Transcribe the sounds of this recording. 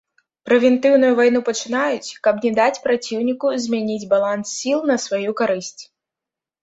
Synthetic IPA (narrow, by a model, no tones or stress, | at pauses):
pɾɛvʲɛnt̪ɨwnujuvajnupɐt͡ʂɨnajut͡sʲkɐpnʲɛd̪at͡sʲpɾat͡sʲiwnʲikuzʲmʲanʲid͡zʲbalˠansːʲilˠnɐsvajukaɾɨsʲt͡sʲ